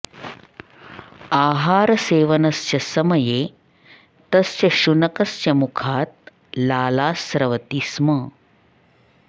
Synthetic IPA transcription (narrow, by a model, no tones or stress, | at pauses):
aːɦaːɾɐseːʋɐnɐst͡ʃɐsɐmɐjeː | t̪ɐst͡ʃɐʃunɐkɐst͡ʃɐmukʰaːt̪̚ | laːlaːsɾɐʋɐt̪ismɐ